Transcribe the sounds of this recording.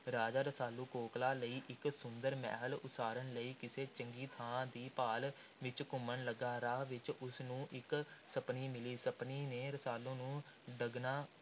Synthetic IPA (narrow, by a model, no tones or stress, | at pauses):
ɾaːd͡ʒaːɾəsaːluːkoːklaːləiːʔɪksʊnd̪əɾmɛ̰ːɦəlʊ̰saːɾənləiːkɪseːt͡ʃəŋɡiːt̪ʰãːd̪iːpaːl | ʋɪt͡ʃkʊmənləɡaːɾaːʋɪt͡ʃʊsnũːʔɪksəpniːmɪliːsəpniːneːɾəsaːlõːnũː | ɖəɡnaː